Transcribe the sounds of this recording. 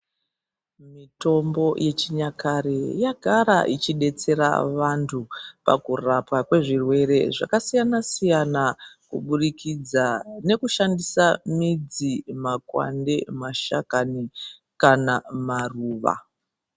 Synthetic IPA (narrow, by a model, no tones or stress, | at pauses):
mito̞mbo̞jʔe̞t͡ʃiɲakaɾejaɡʱaɾa̰ʔit͡ʃiɗe̞t͡se̞ɾa̰ʋantʰupa̰kurapwakwe̞ʐirwe̞ɾe̞ʐa̰kasijanasijanakuɓurikʰid͡zane̞kuʃandisamid͡zimakwa̰ndemaʃakani | kanamaruːʋa̰